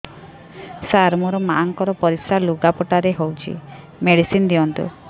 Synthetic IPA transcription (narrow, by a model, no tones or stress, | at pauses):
saɾmɔɾɔmaʔːŋkɔɾɔpɔɾisaluɡapɔʈaɾeɦowt͡ʃʰḭ | meɽisind̪iɔnt̪ṵ